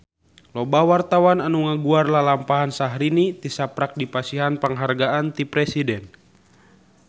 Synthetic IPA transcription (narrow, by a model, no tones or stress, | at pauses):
lɔbawart̪awananuŋaɡuarlalampaɦansaɦɾinit̪isapɾak̚dipasiɦanpəŋɦarɡaʔant̪ipɾɛsidɛn